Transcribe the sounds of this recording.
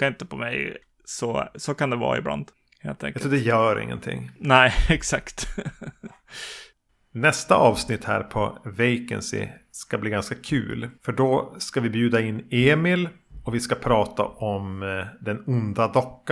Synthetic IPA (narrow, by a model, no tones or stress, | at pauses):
kaɪnt̪əpʰɔmɛ̰j | sɔsoːkand̪ɛvɑ̰ːɾɪ̰bla̰nd̪ | hḛːlt̪ʰɛ̰ŋkt̪əːd̪ɛjœːɾɪ̰ŋːə̰nt̪ʰɪ̰ŋːnɛɛksakt̪ | nɛst̪aʔɑːvsnɪt̪hæ̰ːɾpʰɔvɛjkɛ̰nsɪ̰skabliːɡanskakʰʉ̰ːlfœɖɔskavɪbjʉːd̪aɪnːeːmɪlɔvɪskapʰɾɑːt̪a̰ʔɔmd̪ɛnʊnd̪ad̪ɔkːa